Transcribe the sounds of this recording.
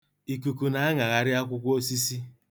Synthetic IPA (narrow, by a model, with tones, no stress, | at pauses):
i˨ku˨ku˨na˨a˦ŋa˨ɣa˨ɾɪ˦a˦kʷʊ˦kʷo˦si˦si˦